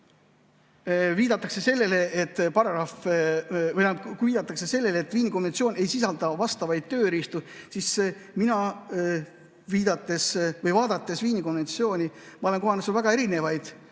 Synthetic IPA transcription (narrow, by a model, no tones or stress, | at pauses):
viːd̪ɑt̪ːˑɑkse̞se̞lːe̞le̞ʔet̪ːˑpɑɾɑɾɑf | jɑkviːd̪̥ɑt̪ːˑɑkse̞se̞lːe̞leet̪ːviːniko̞nve̞ntsio̞ːnʲe̞jsisɑld̪̥ɑvɑst̪ɑvɑjd̪̥̚t̪ø̞ːɾist̪usis | minɑ | viːd̪̥ɑt̪ːˑe̞svɤjvɑːd̪ɑt̪ːˑe̞sviːnʲiko̞nvent̪sio̞ːnʲimɑo̞le̞ŋko̞ɦɑnesulvæɡ̥ɑe̞ɾine̞vɑjd̪̥